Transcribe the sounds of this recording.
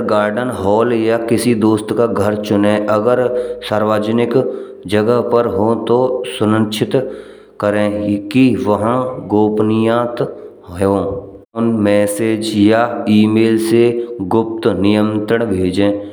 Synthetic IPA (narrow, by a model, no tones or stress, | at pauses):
ɡaːɾɖənɦɔːljakɪsid̪oːst̪kaɡʱəɾt͡ʃʊnẽʔəɡəɾsaːɾʋaːd͡ʒnɪk | d͡ʒəɡəɦpəɾɦot̪osʊɾə̃nt͡ʃʰɪt̪ | kəɾẽːkiʋəɦãɡoːpnɪjãːt̪ | õː | nmɛːseːd͡ʒjaiːmeːlseɡʊp̚t̪nɪjə̃nt̪ɾəɳ̃bʱeːd͡ʒẽː